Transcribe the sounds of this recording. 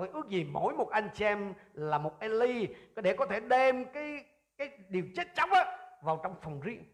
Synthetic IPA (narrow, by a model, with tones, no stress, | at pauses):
jʔɨ˦˥ək̚zi˨˩mo̰˧˥jmo˨˩t̚ʔa˧jŋ̟t͡ɕi˧ʔɛ˧mlaː˨˩mo˨˩t̚ʔɛ˧li˧˨˦ɗe˧˩kɔ˨˦t̪ʰe˧˩ɗe˧mkaː˨˦j | kaː˨˦jɗi˨˩əwt͡ɕe˦˥t̚t͡ɕa˨˦wk͡p̚ʔaː˨˧˦vaː˨˩wt͡ɕɔ˧wŋ͡mfə˨˩wŋ͡mzḭ˧˨